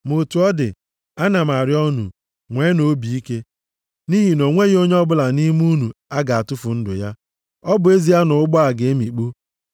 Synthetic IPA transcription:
mo˨tu˨ɔ˦dɪ̰˨ | a˦na˨m˨a˨ɾɪ˦ɔ˦nṵ˨ | ŋʷeː˨˦no˨˦bi˨i˦ke˦ | ni˦ɦi˨no˨ŋʷe˦ɣi˦o˦ɲe˦ɔ˦bʊ˦la˨ni˦m˦u˦nu˨a˦ɡa˨a˨tʊ˦fʊ˨n̩˦dʊ̰˨ja˦ | ɔ˦bʊ˨e˦zi˦ja˦nʊ˨ʊ˦ɡ͡bɔ˦a˨ɡe˨e˦mi˨k͡pu˦

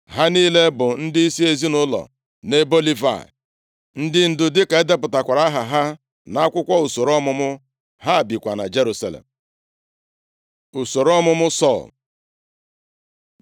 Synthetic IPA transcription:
ɦa˦niː˦le˦bʊ˨n̩˦dɪ˦i˦si˦e˨zi˦nʊ˦lɔ̰˨ | ne˦bo˦li˦va̰˨ | n̩˦dɪ˦n̩˨dʊ˨dɪ˦ke˨e˦de˦pʊ˨ta˨kʷa˨ɾa˦ɦa˨ɦa˦ | na˦a˦kʷʊ˦kʷɔ˦u˨so˨ɾɔ˦mʊ˦mʊ˦ | ɦa˦˨bi˨kʷa˨na̰˨d͡ʒe˦ɾu˦sa̰˨lḛ˨m̩˨ | u˨so˨ɾɔ˦mʊ˦mʊ˦sɔ̰˦˨l

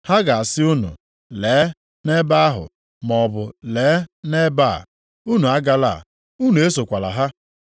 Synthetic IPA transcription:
ha˦ɡa˨a˨sɪ˦u˦nṵ˨ | leː˨˦ | ne˦ba˦a˦ɦʊ̰˨ | mɔ˨bʊ˨leː˨˦ne˦ba̰˦˨ | u˦nu˨a˦ɡa˦la̰˦˨ | u˦nu˨e˦so˨kʷa˨la̰˨ɦa˦

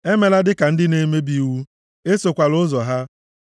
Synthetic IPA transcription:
e˦me˨la˦dɪ˦ka˨n̩˦dɪ˦ne˦me˦bi˦wu˦ | e˦so˨kʷa˨lʊ˦zɔ˨ɦa˦

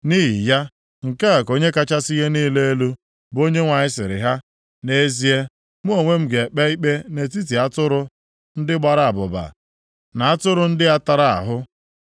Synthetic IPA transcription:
ni˦ɦḭ˨ja˦ | ŋ̩˨ke˦a˨ko˦ɲe˦ka˦t͡ʃa˦si˦ɣe˦niː˦le˦e˦lu˦ | bo˦ɲe˦ŋʷa˨ɲɪ˦sɪ˨ɾɪ̰˨ɦa˦ | ne˦e˦zi˦e˦ | mu˦o˨ŋʷe˦m̩˦ɡe˨k͡pɛ˦i˦k͡pe˦ne˨t̬i˦t̬i˨a˦tʊ˦ɾʊ˦ | n̩˦dɪ˦ɡ͡ba˦ɾa˦˨a˨bʊ˨ba̰˨ | na˨a˦tʊ˦ɾʊ˦n̩˦dɪ˦a˦ta˨ɾa˨a̰˨ɦʊ˦

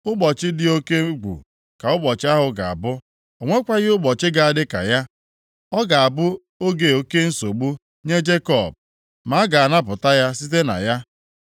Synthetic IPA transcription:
ʊ˦ɡ͡bɔ˨t͡ʃɪ˦dɪ˦o˦ke˦ɡ͡bṵ˨ | ka˨ʊ˦bɔ˨t͡ʃɪ˦a˦ɦʊ˨ɡa˨a̰˨bʊ˦ | o˨ŋʷe˦kʷa˦ɣɪ˦ʊ˦ɡ͡bɔ˨t͡ʃɪ˦ɡa˨a˨dɪ˦ka̰˨ja˦ | ɔ˦ɡa˨a˨bʊ˦ | o˦ɡe˨o˦ke˦n̩˦so˨ɡ͡bu˦ | ɲe˦d͡ʒe˦kɔ˦˨b̚ | ma˨˦ɡa˨a˨na˦p̬ʊ˨ta˦ja˦si˦te˦na̰˨ja˦

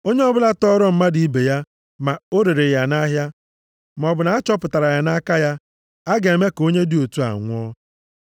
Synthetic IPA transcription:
o˦ɲe˦ɔ˦bʊ˦la˦tɔ˦ɾɔ˦m̩˦ma˦di˨i˦be˨ja˦ | ma˨o˦ɾe˨ɾe˨ja˨na˦ɦja˦ | ma˨ɔ˨bʊ˨na˨a˦t͡ʃɔ˦pʊ˨ta˨ɾa˨ja˦na˦ka˦ja˦ | a˦ɡe˨e˨me˦ko˦ɲe˦di˦o˨tu˦a̰˨ŋʷʊ˦ɔ˦

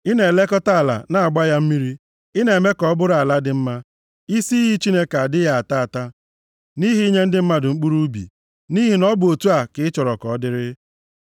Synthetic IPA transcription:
i˦ne˨le˦kɔ˦ta˦a˨la̰˨na˨a˨ɡ͡ba˦ja˦m̩˦mi˦ɾi˦ | ɪ˦ne˨e˨me˦kɔ˦bʊ˦ɾa˨la˦dɪ˦m̩˦ma˦ | i˦si˦ɦi˦t͡ʃi˦ne˦ka˨a˨dɪ˦ja˦a˨ta˦a˨ta˦ | ni˦ɦi˦i˦ɲe˦n̩˦dɪ˦m̩˦ma˦dʊ˨ŋ͡m̩˦k͡pu˦ɾu˦bḭ˨ | ni˦ɦi˨nɔ˦bʊ˨o˨tu˦a˨kɪ˦ɪ˦t͡ʃɔ˨ɾɔ˨kɔ˨˦dɪ˦ɾɪ˦

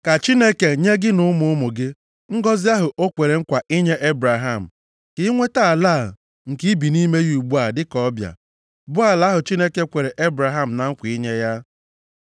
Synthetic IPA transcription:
ka˨t͡ʃi˦ne˦ke˨ɲe˦ɡɪ˦nʊ˦mʊ˦ʊ˦mʊ˨ɡɪ˦ | ŋ̩˦ɡɔ˦zɪ˦a˦ɦʊ˨ʔo˦kʷe˨ɾe˨ŋ̩˦kʷa˨ʔi˦ɲe˦ʔe˦bɾa˨ɦa˦˨m̩˨ | kɪ˦ŋʷe˦ta˦˨laː˦˨ | ŋ̩˨ki˦bi˨ni˦me˦ju˨ɡ͡bu˦a˨dɪ˦kɔ˦bja̰˨ | bʊ˦a˨la˦ɦʊ˨t͡ʃi˦ne˦ke˦kʷe˨ɾe˨ʔe˦bɾa˨ɦa˦m̩˨na˨ŋ̩˦kʷi˦ɲe˦ja˦

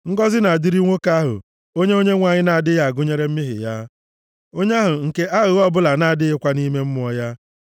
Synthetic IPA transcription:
ŋ̩˦ɡɔ˦zɪ˦na˨a˨dɪ˦ɾi˦ŋʷo˦ka˦a˦ɦʊ̰˨ | o˦ɲe˦o˦ɲe˦ŋʷa˨ɲɪ˦na˨a˨dɪ˦ja˨ɡʊ˦ɲe˦ɾe˦m̩˦mɪ˦ɦɪ̰˨ja˦ | o˦ɲe˦a˦ɦʊ˨ŋ̩˨ke˦ʔa˦ɣʊ˦ɔ˦bʊ˦la˨na˨a˨dɪ˦ɪ˦kʷa˦ni˦me˦m̩˦m˦ɔ˦ja˦

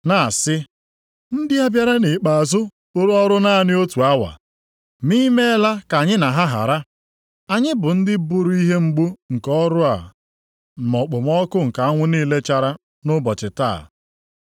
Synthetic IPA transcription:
na˨sɪ˦ | n̩˦dɪ˦a˦bja˦ɾa˦ne˨k͡pa˨a˨zʊ˦ | ʊ˦ɾʊ˦ɔ˦ɾʊ˦na˦nɪ˦o˦tu˨a˦wa̰˨ | mi˦me˦la˦ka˨ɲɪ˦na˨ɦa˦ɦa̰˨ɾa˦ | a˨ɲɪ˦bʊ˨n̩˦dɪ˦bʊ˦ɾʊ˦i˦ɦe˦ŋ͡m̩˦ɡ͡bu˦ŋ̩˨kɔ˦ɾʊ˦a̰˨ | mɔ˨k͡pʊ˨m˦ɔ˦kʊ˦ŋ̩˨ka˨a˦ŋʷʊ˦niː˦le˦t͡ʃa˦ɾa˦ | nʊ˦bɔ˨t͡ʃɪ˨ta̰˦˨

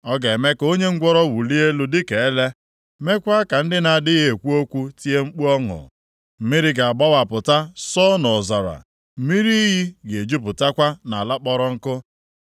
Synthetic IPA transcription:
ɔ˦ɡe˨e˨me˦ko˦ɲe˦ŋ̩˦ɡʷɔ˦ɾɔ˦wu˨li˦e˦lu˨di˦ke˨e˦le˦ | me˦kʷa˦ka˨n̩˦dɪ˦na˨dɪ˦ɦe˨kʷu˦o˦kʷu˦ti˦e˦ŋ͡m̩˦k͡pu˦ɔ˦ŋʊ̰˨ | m̩˦mi˦ɾi˦ɡa˨a˨ɡ͡ba˦wa˨pʊ˨ta˦sɔ˦nɔ˨za˨ɾa̰˨ | m̩˨˦mi˦ɾi˦ɦi˦ɡe˨d͡ʒu˦p̬ʊ˨ta˦kʷa˦na˨a˨la˦k͡pɔ˦ɾɔ˦ŋ̩˦kʊ˦

